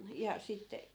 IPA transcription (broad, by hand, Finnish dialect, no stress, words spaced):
jɑ sitːe